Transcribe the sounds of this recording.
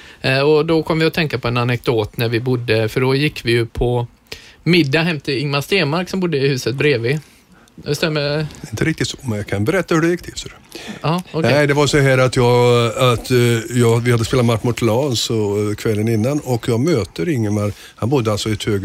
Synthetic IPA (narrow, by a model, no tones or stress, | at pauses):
ɔd̪ɔkʰɔmːəvɪɔt̪ʰɛŋkapɔɛnanɛk̚d̪oːt̪næɾvɪbʊd̪ːəfœɖɔjɪkːvɪjɵpʰɔ | mɪd̪ːaɦɛmːt̪ʰɪɪŋmast̪eːmaɾksɔmbʊd̪ːəɪhʉ̟ːsət̪̚bɾeːveː | ɛst̪ɛæmːəɪnt̪əɾɪk̚t̪ɪt̪sɔ̥mɛnjɑkʰanbɛɾɛt̪ːahɵɖɛjɪkt̪ʰɪsɔɾɛɑːɔknɛɪd̪ɛvaɾsɔɦæːɾat̪jɑːɡat̪jɑːɡvɪhad̪əspeːlat̪maʈːmʊt̪ʰlɑːnsɔkʰvɛlːənɪnːanɔkjɑːɡmøːt̪əɾɪŋːəmaɾk | hanbʊd̪ːəalt̪sɔɪt̪høːɡ